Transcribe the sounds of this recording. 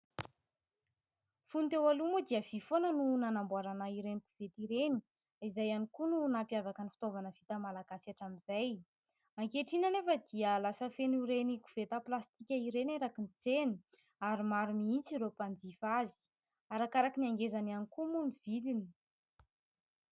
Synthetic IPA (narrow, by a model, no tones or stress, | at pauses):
funt̪ewalumud̪iəv̥ifonənunanambuaɾanaiɾeniku̥v̥et̪iɾeni̥ | izajanikununampiavakənifi̥t̪ovanəv̥it̪əmalaɡasaʈ͡ʂamizaj | aŋkeʈ͡ʂinanefəd̪iəlasəfenuɾeniku̥v̥et̪əplast̪ikʲaiɾeneɾakinit͡seni | aɾimaɾumiint͡siɾopand͡zifazi̥ | aɾakaɾakiniaŋɡezananikumunivilini̥